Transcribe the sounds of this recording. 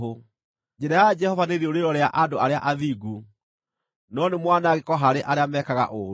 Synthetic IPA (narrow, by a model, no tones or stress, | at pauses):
o | d͡ʒɛɾajad͡ʒɛhɔvaneðioɾeɾɔɾeaʔadoʔaɾeaʔaðiɡu | nɔnemwanaːɣekɔɦaɾeʔaɾeamɛkaɣa̰ʔo